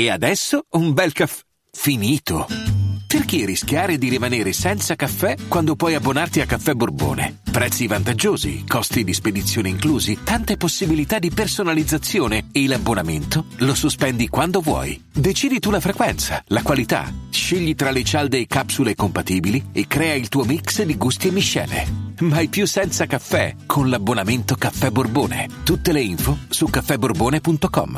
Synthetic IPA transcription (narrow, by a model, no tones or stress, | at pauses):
ead̪ɛsːoumbɛlkafɛ | finiːt̪operk̟erːisk̟jaːɾed̪iɾimaneːɾesɛnt̪sakafːɛkːwand̪opwɔjabːonart̪iakːafːɛburbo̰ːnḛpɾɛt̪sːivant̪ad͡ʒːoːzḭkɔst̪id̪isped̪it̪sːjoːneiŋkluːzit̪ant̪eposːibilit̪ad̪ipersonalid̪zːat̪sːjoːneeilabːonament̪olosuspɛnd̪ikwand̪ovwɔ̰jd̪et͡ʃiːd̪it̪ulafɾekwɛnt̪salakwalit̪a̰ʃeʎːit̪ɾalet͡ʃald̪ejkapsulekompat̪iːbiliekːɾɛːailt̪uːomiksd̪iɡust̪iemːiʃːɛ̰ːlḛmajpjusːɛnt̪sakafːɛ̰kʰonlabːonament̪okafːɛbːorboːnḛt̪ut̪ːeleiɱfosukːafːɛbːorboːnepunt̪okɔ̰m